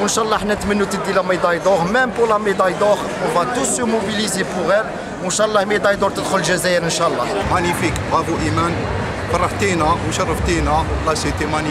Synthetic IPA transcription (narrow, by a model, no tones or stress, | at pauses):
wənʃɑʔlˤːɑħnæt̪mənːut̪əd̪ilæməd̪ɑjd̪oʁmɛmpʊʁlæməd̪ɑjd̪oʁ | ɔbæt̪usymobilizepʊʁæl | wənʃɑlˤːɑhmid̪ɑjd̪ɔɾt̪əd̪xʊlːʒæzæjəɾənʃɑəlˤːɑmænifikʁæbuʔimæn | fɑrˤːɑft̪inæwʃɑrˤːəft̪inæwlɑsit̪imæni